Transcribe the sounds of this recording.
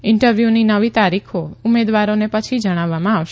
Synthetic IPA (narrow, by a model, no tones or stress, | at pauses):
ɪɳʈəɾʋjuninəʋit̪aɾikʰoumed̪ʋaɾonepət͡ʃʰid͡ʒəɽ̃aʋːamãaʋʃ